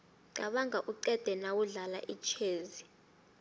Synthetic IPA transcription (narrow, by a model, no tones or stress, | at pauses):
ǀaɓaŋɡaʔuǀɛd̥ʱɛnawuɮala̰ʔit͡ʃʰeːzi